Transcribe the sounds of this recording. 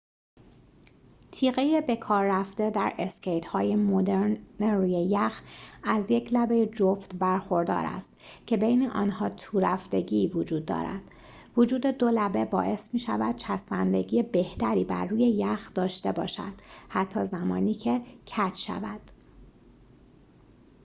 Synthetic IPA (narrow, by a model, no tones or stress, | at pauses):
t̪ʰiːɣejebe̞kʰɒːɾːæfd̪e̞d̪æɾʔescʰe̞jt̪hɒːjemod̪eɾneɾuːjejæxæzje̞cʰlæbe̞jed͡ʒoft̪bæɾxo̞ɾd̪ɒ̰ːɾæ̰st̪cʰe̞bejneʔɒ̰ːnhɒːt̪ʰuːɾæfd̪e̞ɟivod͡ʒuːd̪̚ːɒ̰ːɾæ̰d̪̥ | vod͡ʒuːd̪e̞d̪olæbe̞bɒ̰ːʔe̞smiːʃævæd̪̥̚t͡ʃʰæsmænd̪e̞ɟiːjebe̞ht̪ʰæɾiːbæ̰ɾːuːje̞jæxd̪ɒːʃt̪ebɒ̰ːʃæ̰d̪̥hæt̪ʰːɒːzæmɒːniːcʰe̞cʰæt͡ʃʃæ̰væd̪̥